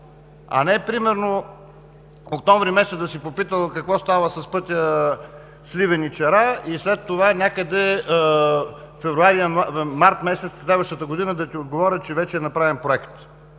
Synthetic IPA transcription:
ɐ̰nɛpɾimɛɾno | okt̪ɔ̃ɱvɾimɛsɛt̪d̪ɐsipopit̪əlˠkɐkvɔst̪avəsɐspɤt̪ʲjə | slivɛnit͡ʃɛɾaislɛt̪ːovanʲakəd̪ɛ | fɛvɾuaɾimaɾt̪mɛsɛt̪sslɛd̪vəʃt̪ət̪əɡʊd̪inəd̪ɐt̪iod̪ɡovɔɾʲət͡ʃɛvɛt͡ʃɛːnɐpɾavɛnpɾoɛkt̪

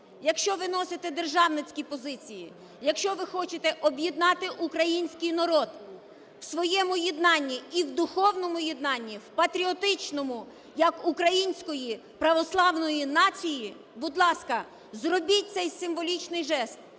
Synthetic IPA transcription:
jɐkʃt͡ʃɔʋɪnɔsɪt̪ɛd̪erʒɑwnɪt͡sʲkʲipɔzɪt͡sʲiji | jɐkʃt͡ʃɔʋɪxɔt͡ʃɪt̪ɛʔɔbʲjid̪nɑt̪ɪʔukɾɐjinʲsʲkɪjnɐɾɔd̪ | wsʋɔjɛmʊjid̪nɑnʲːiiwd̪ʊxɔwnɔmʊjɪd̪nɑnʲːiwpɐt̪ɾʲiɔt̪ɪt͡ʃnɔmʊ | jɐkʊkɾɐjinʲsʲkɔji | pɾɐʋɔslˠɑwnɔjinɑt͡sʲiji | bʊd̪lˠɑskɐ | zrɔbʲit̚ʲt̪sɛjsɪmʋɔlʲit͡ʃnɪjʒɛst̪̚

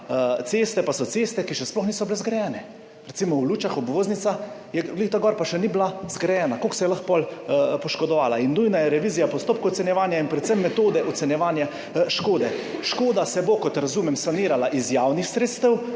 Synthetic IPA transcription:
t̪sest̪ɛpasɔt̪seːst̪ɛkiʃɛsplɔxniːsɔblɛzɡɾɛjɛːnɛ | ɾɛt̪simɔwluːt͡ʃaxɔbʋoːznit̪sajɛɡlit̪aɡɔːɾpaʃɛniblazɡɾɛjɛːnakoksɛjɛlaxpɔlpɔʃkɔd̪ɔʋaːlainnuːjnajɛɾɛʋiːzijapɔst̪oːp̚kowɔt̪sɛnjɛʋaːnjainpɾɛt̪səmːɛt̪oːd̪ɛʔɔt̪sɛnjɛʋaːnja | ʃkoːd̪ɛʃkoːd̪asɛbokɔt̪ɾazuːmɛmsaniːɾalaʔizjaːwnixsɾeːt̪st̪əw

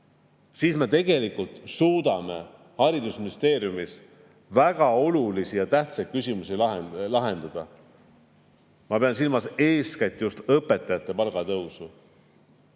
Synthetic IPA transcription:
siːsme̞t̪e̞ɡ̥e̞likult̪suːd̪̥ɑme̞ | hɑɾid̪usminist̪e̞ːɾjumis | væɡ̥ɑo̞lulisijɑt̪æht̪sɑjt̪̚kysʲimusilɑelɑɦe̞nd̪̥ɑd̪̥ɑ̰ | mɑpe̞ɑns̬ilmɑse̞ːskɑjt̪ːˑjust̪ɤpːˑe̞t̪ːˑɑjɑt̪ːˑe̞pɑlɡ̥ɑt̪ɤwsu

